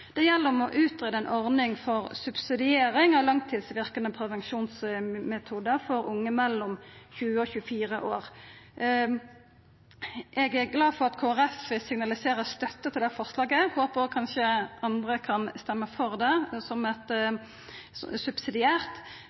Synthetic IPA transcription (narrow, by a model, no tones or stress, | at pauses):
d̪̥ɛjɛlːəɾɔmɔʔʉːt̪ʁeːd̪əɛnʔɔʁnɪŋfɔʁsʉb̥sɪd̪ɪeːɾɪŋɑʋlɑŋt̪ʰiːd̪sʋɪʁkənəpʰɾɛʋɛnʃuːnsmɛt̪ʰuːd̪əʁfɔɾʊŋːəmɛlːɔmçʉːəɔçʉːəfiːʁəʔo̰ːʁ | ʔɛɡæʁɡlɑːfɔʁɑt̪kʰoːæʁɛfəsɪŋnɑlɪseːɾəst̪œt̪ːət̪ʰɪld̪æfɔʁslɑːɡəhoːpəʁkʰɑnʃəɑnd̪ʁəkʰɑnst̪ɛmːəfɔʁd̪ɛsɔmɛt̪ | sʉb̥sɪd̪ɪæːʁt̪